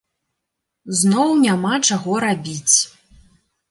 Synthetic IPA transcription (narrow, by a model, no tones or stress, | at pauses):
znɔwnʲamat͡ʂaɣɔɾabʲit͡sʲ